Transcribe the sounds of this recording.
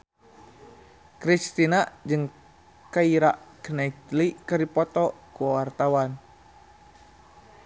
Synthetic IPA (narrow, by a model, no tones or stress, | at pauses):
kɾist̪inad͡ʒɨŋ | kaiɾaʔknait̪likərdipɔt̪ɔkuwart̪awan